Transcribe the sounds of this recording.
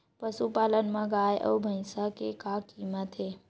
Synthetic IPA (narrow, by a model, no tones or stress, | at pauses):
pəsupaːlənmãɡaːjʔɔ̰ːbʱə̃ɪ̃səkekakiːmət̪e